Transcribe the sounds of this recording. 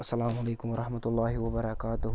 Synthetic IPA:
ʔɐsːɐlaːmʊʕalejkʊmwɑɾˤɑħmat̪ʊlˤːɑːhɪwɐbɑɾˤɑkaːt̪ʊh

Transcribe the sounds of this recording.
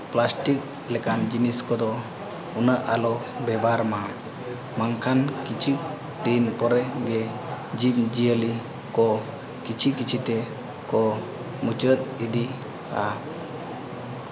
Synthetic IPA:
plasʈik̚ | lɛkand͡ʒiniskɔd̪ɔ | unəʔalɔbɛbʱaɾma | maŋkʰankit͡ʃʰik̚ | d̪inpɔɾɛɡɛ | d͡ʒip̚d͡ʒijəli | kɔ | kit͡ʃʰikit͡ʃʰit̪ɛ | kɔ | mut͡ʃət̪̚id̪i | a

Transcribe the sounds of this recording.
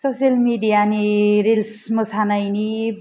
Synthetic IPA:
sosijʌlmiɖijaːniɾilsmʌsʰanʌjni

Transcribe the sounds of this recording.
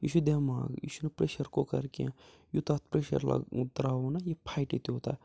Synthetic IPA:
jiʃud̪eːma̰ːɡjḭːʃunɐpɾeːʃɐɾkokɐɾkã | jut̪aːt̪̚ʰpɾeːʃɐ̰ɾla̰t̪ɾaːonɐjepʰaːjʈit̪oːt̪a̰ː

